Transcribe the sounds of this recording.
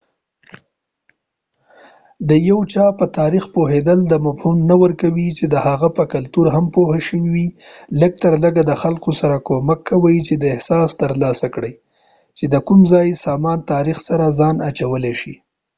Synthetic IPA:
d̪əjawt͡ʃɑpət̪ɑɾixpoɦed̪əld̪əmafhunnawəɾkawit͡ʃed̪əhaɣapəkalt̪uɾɦampohaʃəwiwiləɡ̚t̪əɾləɡad̪əxalkosaɾakomakʰːawəjt͡ʃed̪əɪhsɑst̪əɾlɑsakɽəj | t͡ʃed̪əkumzɑjsɑmɑnt̪ɑɾixsaɾazɑnat͡ʃawəleʃi

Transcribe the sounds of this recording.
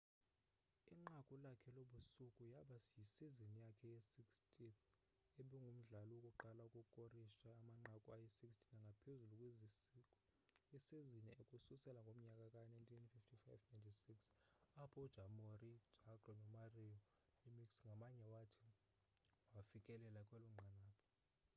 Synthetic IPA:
iŋ͡ǃakʼulakʰɛloɓusukʼujaɓasjisizinijakʰɛjɛsikstʼʰi | eɓɛŋɡʱum̩ɮalɔwokʼuǃalaukʼukʼoriʃaːmaŋ͡ǃakʼuajɛsikstʰinaŋɡʱapʰezulukʼwezisi | ɛseziniekʼususɛlaŋɡʱom̩ɲakʼakʼanajntʰinfiftʰifajvnajntʰisiksapʰɔd̥ʒ̥ʱamorid̥ʱaɡrɔnɔmariɔ | limiksŋɡʱamaɲɛwatʰi̥ | wafikʼɛlɛlakʼwɛluŋ͡ǃʱanaːpʰɔ̥

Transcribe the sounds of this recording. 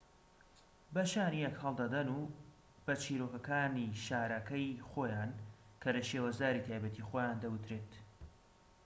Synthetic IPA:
bɐʃaːnijɛkhɐlˠd̪ɐd̪ɐnuː | b̥ɐt͡ʃʰiːɾoːkɐkaːniʃaːɾɐkɐjχoːjaːn | kʰɐlɐʃeːwɐzd̪aːɾit̪ʰaːjbɐt̪ixojaːnd̪ɐwɨt̪ɾeːt̪

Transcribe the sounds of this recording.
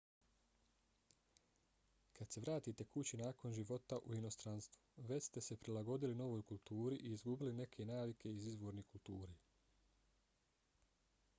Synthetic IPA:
kad̪se̞ʋɾaːt̪iːt̪e̞kut͡ɕinaːko̞nʒiʋo̞t̪aʔuino̞st̪ɾanst̪ʋuʋe̞t͡ɕst̪e̞se̞pɾilaɡo̞d̪ilino̞ʋoːjkulˠt̪uːɾiʔiːzɡubiline̞kʰe̞naːʋikʰe̞izizʋo̞ːɾnikult̪uːɾeː

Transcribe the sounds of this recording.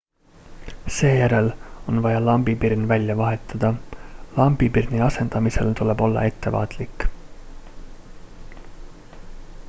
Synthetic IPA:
se̞ːjæɾe̞lo̞nvɑjɑlɑmbipirnvælʲjɑvɑɦe̞t̪ːˑɑd̪̥ɑlɑmbipirniɑse̞nd̪̥ɑmise̞̰lt̪ule̞bo̞lːɑ̰e̞t̪ːe̞vɑ̰ːt̪ˑlikːˑ

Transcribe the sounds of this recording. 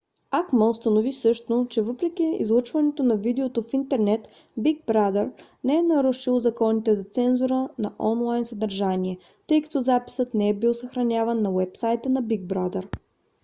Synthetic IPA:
akməʊst̪ənovisɤʃt̪ot͡ʃɛvɤpɾɛk̟iḭzlˠut͡ʃvɐnɛt̪onɐvid̪ɛot̪ofint̪ɛɾnɛt̪ | biɡ̚bɾad̪ɛɾnɛɛnɐɾuʃilˠzɐkɔnit̪ɛzɐt̪sɛnzʊɾənɐʔɔnlˠajnsɐd̪ɐɾʒaniɛ | t̪ɤjkɐ̥t̪ɔzapi̥sət̪nɛɛbilˠsɐxɾɐnʲavɐnːɐwɛpsajt̪ənɐbiɡ̚bɾad̪ɛɾ

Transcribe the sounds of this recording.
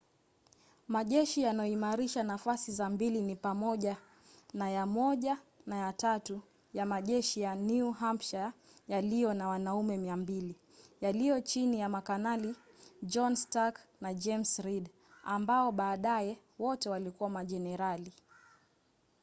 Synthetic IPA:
maʄɛʃijanajɔimaɾiʃanafasizambilinipamɔʄa | najamɔʄanajatatu | jamaʄɛʃijanuuɦampʃa | jalijɔnawanaumɛmiambili | jalijɔt͡ʃinijamakanali | d͡ʒɔnstaknad͡ʒɛmsɾid | ambaɔɓaːɗaɛ | wɔtɛwalikuwamaʄɛnɛɾali

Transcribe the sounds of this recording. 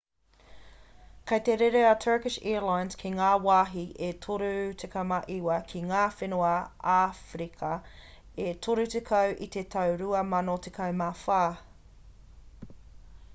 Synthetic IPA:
kʰɐjt̪eɾeɾeɐtʰɜ˞kɪʃɛ̰ɹlajnz̥kʰiŋaːwaːɦiʔetʰoɾʉtʰekʰɐmɐʔiwɐkʰiŋaːfenoɐafɾikʰɐ | etʰoɾʉtekʰɐwʔit̪et̪ʰɐwɾuɐmɐnot̪ʰekʰɐwmafaː

